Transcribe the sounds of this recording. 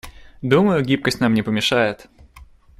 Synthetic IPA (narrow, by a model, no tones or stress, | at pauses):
d̪uməjʊɡʲip̚kəsʲtʲnamnʲɪpəmʲɪʂajɪt̪